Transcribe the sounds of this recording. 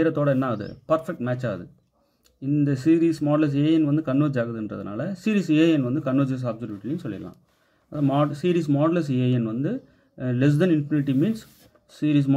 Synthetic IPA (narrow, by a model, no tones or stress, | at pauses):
ɪɾɐt̪ːoːɽɐɛnːaɐðɯ̰pɐɾfɛk̚ʈmɛːt͡ʃːaːɐðɯ̰ | ɪnd̪ɐsiːɾiːsmaːɖlɐs̬eːjɐnʋɐnd̪ɯkɐɳːuːd͡ʒaːɣɐðɯɛndrɐ̰ðɯ̰na̰ːlɐsiːɾiːseːjɛnʋɐnd̪ɯkɐnːoːd͡ʒɐs̬aːbsɐɾjuːʈːɐlɪnɯsɔlːɪ̰ɐlã̰ː | ɐðamaːsiːɾiːs̬maːɽlɐs̬eːjɛnʋɐnd̪ɯ | lɛs̬dɐnɪnfɪnɪʈːimiːnsː | iːɾiːs̬m